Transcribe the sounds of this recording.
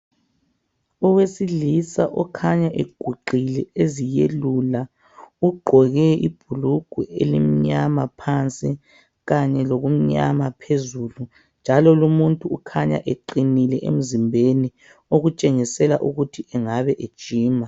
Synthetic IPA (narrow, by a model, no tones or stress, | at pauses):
ɔwesilisaʔɔkʰaɲaʔeɡ̥ʱuǃʱilɛezijelula | uɡ͡ǃʱɔɣɛḭb̥ʱuluɡ̥ʱuelḭm̩ɲamapʰant͡sʼi | ɣaɲɛloɣum̩ɲa̰mapʰezulu | nd͡ʒʱalɔlumuntʼuukʰaɲa̰ʔeǃinilɛʔem̩zimbʱeni | oɣut͡ʃʼeŋisɛla̰ʔuɣutʰiʔɛŋaβɛʔe̥t͡ʃʼiːma